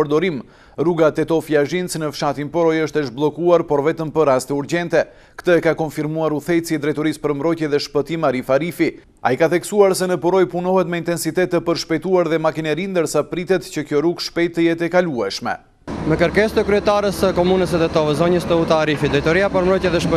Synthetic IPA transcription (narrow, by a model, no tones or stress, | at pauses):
əɾd̪ɔɾim | ɾuɡat̪ɛt̪ɔfiaʒint͡snəfʃat̪inpɔɾɔjəʃt̪əʃblˠɔkuaɾpɔɾvɛt̪əmpəɾast̪ɛuɾɟɛnt̪ɛ | kt̪əɛkakɔnfiɾmuaɾuθɛjt͡siɛd̪ɾɛjt̪ɔɾispəɾmbɾɔjcɛðɛʃpət̪imaɾifaɾifi | a̰ikaθɛksuaɾsɛnəpɔɾɔjpunɔɦɛt̪mɛint̪ɛnsit̪ɛt̪ːɛpəɾʃpɛjt̪uaɾðɛmakinɛɾind̪əɾsapɾit̪ɛt̪cəkjɔɾuɡʃpɛjt̪ːəjɛt̪ɛkaluɛʃmɛ̰ | mɛkəɾkɛst̪əkɾyɛt̪aɾəsəkɔmunəsɛt̪ɛt̪ɔvɛzɔɲəst̪əut̪aɾifid̪ɾɛjt̪ɔɾiapɔɾmɾɔjtjɛðɛʃp